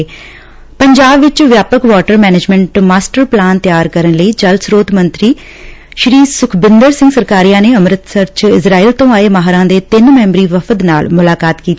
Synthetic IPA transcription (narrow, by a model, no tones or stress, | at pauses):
pəɲd͡ʒaːbʋɪt͡ʃʋjaːpəkʋaːʈəɾmɛːneːd͡ʒmɛ̃ɳʈmaːsʈəɾplaːnt̪jaːɾkəɾənləiːd͡ʒəlsɾoːd̪mənt̪ɾiː | ʃɾiːsʊkʰbɪnd̪əɾsɪ̃ŋɡsəɾkaːɾijãːneːəmɾət̪səɾt͡ʃɪsɾaːiːlt̪õːaːeːmaɦaɾãːd̪eːt̪ɪnmɛ̃ːmbɾiːʋəfʰəd̪naːlmʊlaːkaːt̪kiːt̪ː